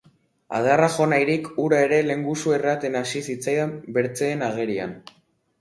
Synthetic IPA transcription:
a̰ðaraxo̞najɾikuɾae̞ɾe̞le̞ŋɡusue̞rat̪e̞nasisit͡sajambe̞ɾt͡seːnaɣe̞ɾia̰n

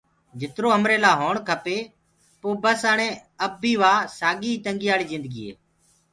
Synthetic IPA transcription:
d͡ʒɪt̪ɾoːəmɾeːlaːɦoːɳkʰəpeː | poːbəsəɳẽːəbʱiːʋaːsaːɡiːt̪əŋɡiːaːɭiːzɪnd̪əɡiːḛː

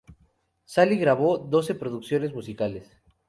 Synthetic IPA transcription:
saliɣɾaβo̞ðo̞se̞pɾo̞ðuksjo̞ne̞zmusikales

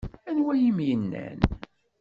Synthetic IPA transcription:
ænwæjimjənːæ̰n

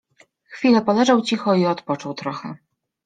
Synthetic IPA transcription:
xfʲilɛpɔlɛʐawt͡ɕixɔiɔt̪pɔt͡ʂɔwt̪ɾɔxɛ

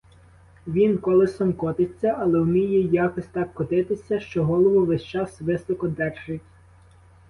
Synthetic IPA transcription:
ʋʲinkɔlˠɪsɔmkɔt̪ɪt͡sʲːɐʔɐlˠɛwmʲijɛjɑkɔsʲt̪ɑkːɔt̪ɪt̪ɪsʲɐʃt͡ʃɔɦɔlˠɔʋʊʋɛʃt͡ʃɑsʋɪsɔkɔd̪ɛrʒɪtʲ

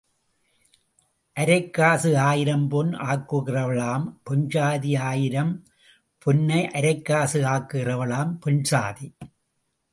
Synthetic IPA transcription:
ʔɐɾɐɪkːaːsɯaːjɪɾɐmpɔnʔaːkːɯɣɪrɐʋɐɭaːmpʊnt͡ʃaːðiaːjɪɾɐm | pʊnːɐɪʔɐɾɐɪkːaːsɯaːkːɯɣɪrɐʋɐɭaːmpɛnsaːði

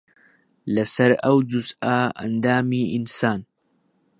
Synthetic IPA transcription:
lɐsɐɾɐwd͡ʒuzʔaːa̰nd̪aːmiːʔinsaːn

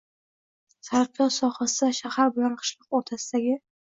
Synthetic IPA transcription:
saɾqjɒwsɒχasaʃahaɾbɪlanqʰə̥ʃlˠɨq̚oɾt̪ʰasɪd̪aɡʲɪ

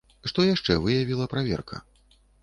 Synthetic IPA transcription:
ʂt̪ɔjaʂt͡ʂɛvɨjavʲilˠɐpɾavʲɛ̰rkʰɐ̰

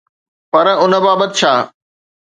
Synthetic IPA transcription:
pɐɾʊnə̆baːbət̪ɪt͡ɕʰaː

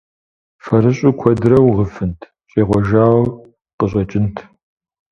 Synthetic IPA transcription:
fɐɾɨɕʼukʷʰɔdɾɐwʁəfɨntʰ | t͡ʃʼeːʁʷɔʒaːw | qəɕʼɐt͡ʃʼɪntʰ

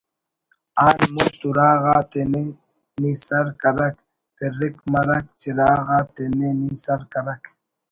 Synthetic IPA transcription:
anmʊst̪ʊɾɑːɢɑt̪ene | nisaɾkaɾak | peɾɪkmaɾak̚t͡ʃɪɾɑːɢɑt̪enenisaɾkaɾak

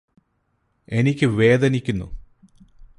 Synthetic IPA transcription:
e̞nikʲːɨʋe̞ːd̪ɐnikʲːunːṵ

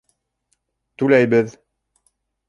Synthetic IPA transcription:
t̪ʉlæjbɘð

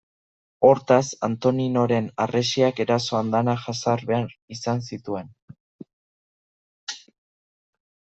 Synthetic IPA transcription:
o̞ɾt̪asant̪o̞nino̞ɾe̞naresiake̞ɾaso̞and̪anaʝasaɾβe̞aɾisansit̪ue̞n

